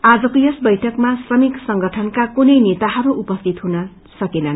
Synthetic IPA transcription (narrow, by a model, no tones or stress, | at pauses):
ad͡zʌkojʌsbʌjʈʰʌkmasrʌmiksʌŋɡʌʈʰʌnkakunʌjnet̪aɦʌɾuʔupʌst̪ʰit̪ɦunʌ | sʌkenʌn